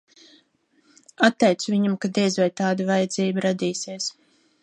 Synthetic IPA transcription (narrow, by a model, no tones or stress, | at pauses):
at̪ːɛjt̪suvʲiɲamkad̪iɛzʲvɛjt̪aːd̪avajɛd̪zʲiːbuɾad̪ʲiːsiɛs